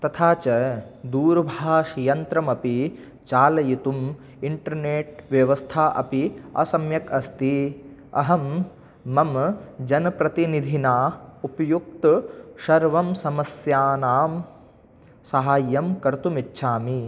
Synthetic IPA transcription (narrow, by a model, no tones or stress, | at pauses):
t̪ɐt̪ʰaːt͡ʃɐd̪uːɾbʱaːʃijɐnt̪ɾɐmɐpi | t͡ʃaːlɐjit̪um | iɳʈɐɾneːʈ̚ʋjɐʋɐst̪ʰaːʔɐ̰piɐ̰sɐmjɐkɐst̪i | ɐ̰ɦɐmː | ɐmd͡ʒɐnɐpɾɐt̪inid̪ʱinaːupɐjuk̚t̪ʃɐɾʋɐmsɐmɐsjaːnaːm | sɐɦaːjːɐmkɐɾt̪umitːʃʰaːmi